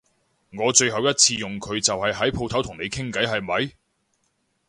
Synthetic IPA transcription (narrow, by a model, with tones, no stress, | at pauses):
ŋɔː˨˧t͡ʃɵ˧ɥɦɐ˨wjɐ˥t̚t͡sʰiː˧jʊ˨ŋkʰɵ˨˧ɥt͡sɐ˨whɐ˨jɦɐ˨˥jpʰo˧wt̪ʰɐ˨˥wt̪ʰʊ˨˩ŋne˨˧jkʰɪ˥ŋkɐ˨˥jɦɐ˨jmɐ˨˧j